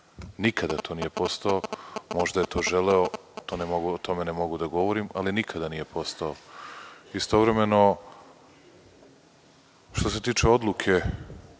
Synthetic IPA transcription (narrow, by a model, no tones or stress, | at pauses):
nikʰad̪at̪ʰo̞ːnije̞po̞st̪aomo̞ʒd̪aje̞t̪ʰo̞ːʒeleo | t̪oːnemoɡuot̪o̞me̞nemo̞ɡud̪aɡo̞ʋo̞ɾimalinikʰad̪anije̞po̞st̪ao | ist̪o̞ʋɾe̞me̞no̞ | ʃt̪o̞s̬e̞t̪iːt͡ʃeo̞d̪lˠukʰe̞